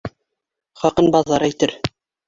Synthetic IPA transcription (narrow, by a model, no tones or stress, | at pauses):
χɑqɤnbɑðɑɾæjt̪ɘɾ